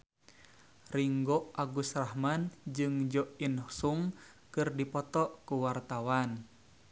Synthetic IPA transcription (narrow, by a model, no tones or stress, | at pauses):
riŋɡɔʔʔaɡusrahmand͡ʒɨŋd͡ʒɔʔinsuŋ | kɨrdipɔt̪ɔʔkuwart̪awan